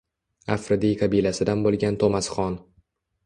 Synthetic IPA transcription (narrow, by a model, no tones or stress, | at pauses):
afɾɪd̪ijqʰɑbijlasɪd̪anbolˠɡʲant̪ʰomasχɒn